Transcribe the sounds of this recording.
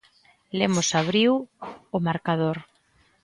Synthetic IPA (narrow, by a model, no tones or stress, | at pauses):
lemʊsaβ̞ɾiwʊmaɾkað̞oɾ